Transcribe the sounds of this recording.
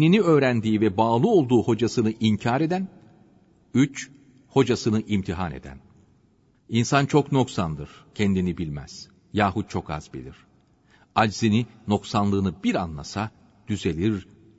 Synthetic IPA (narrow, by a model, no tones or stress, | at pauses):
niniøːɾænd̪iːvɛbaːlˠɯo̞lˠd̪uːho̞d͡ʒasɯnɯʔiɲcʰaːɾe̞d̪æn | yt͡ʃ | ho̞d͡ʒasɯnɯʔimt̪ʰiɦane̞̰d̪æ̰n | insant͡ʃʰo̞kno̞ksand̪ɯɾ̥cʰɛnd̪inibilʲmæ̰z̥ | jaːɦut̪̚t͡ʃʰo̞ka̰zbḭlʲiɾ̝̥ | ad͡ʒzinino̞ksanlˠɯːnɯbiɾanlˠa̰sa | d̪̥yze̞lʲiɾ